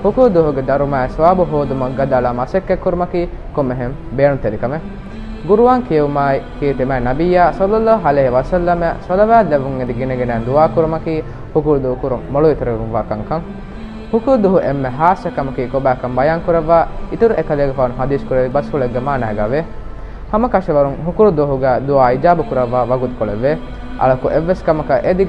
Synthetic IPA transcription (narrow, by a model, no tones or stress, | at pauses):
hukuːd̪uɦuɡed̪ɐɾumaːesʋaːbuɦoːd̪umɐɡad̪aːlamasekːekːuɾumɐkiː | komːeɦembeːnut̪elikɐme | ɡuɾuʋaːŋkijeʋumaːjkiet̪emæːnɐbijaːsɐlːɐlːaɦaleːɦeʋɐsɐlːɐmasɐlɐʋæːleʋuŋed̪iɡineɡenæːnd̪uaːkuɾumɐkiː | hukud̪uɦukuɾumːoɭoit̪uɾeʋumʋaːkɐŋkɐm | hukuɾud̪uɦuʔemːeɦaːsɐkɐmɐkiːkobæːkɐmbɐjaːŋkuɾeʋːaːit̪uɾuʔekɐleːɡefaːɐnuɦɐd̪iːskuɾed̪ibɐshoɭeɡːemaːnæːɡaʋe | hɐmɐkɐʃeʋɐɾuŋɦukuɾud̪oɦuɡæːd̪uaːid͡ʒaːbukuɾɐʋːaːʋɐɡut̪u̥koɭeʋːe | ʔɐ̰ɭɐkuʔeʋːeskɐmɐkɐʔed̪i